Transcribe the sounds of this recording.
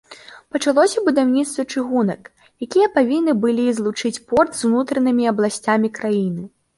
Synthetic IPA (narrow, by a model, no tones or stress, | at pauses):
pɐt͡ʂalˠɔsʲɐbud̪awnʲit̪st̪vɐt͡ʂɨɣunɐk | jakʲijɐpavʲinːɨbɨlʲizlˠut͡ʂɨt͡sʲpɔrt̪zwnut̪ɾɐnɨmʲiɐblˠasʲt͡sʲamʲikɾajinɨ